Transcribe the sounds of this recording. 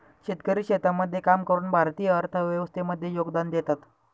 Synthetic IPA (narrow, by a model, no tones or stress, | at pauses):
ɕet̪kəɾiːɕet̪aməd̪ʱːjekamkəɾuːnbʱaɾt̪iːjəəɾt̪ʰəʋjəʋəst̪eməd̪ʱːjejoɡd̪and̪et̪at̪